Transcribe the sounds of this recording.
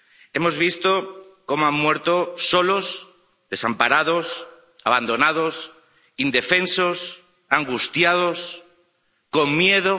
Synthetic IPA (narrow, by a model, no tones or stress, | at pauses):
e̞mo̞zβ̞ist̪oko̞moammwe̞ɾt̪oso̞los | ðe̞sampaɾað̞os | aβ̞and̪o̞nað̞os | ind̪e̞fe̞nsos | aŋɡust̪jað̞os | ko̞ŋmje̞ðo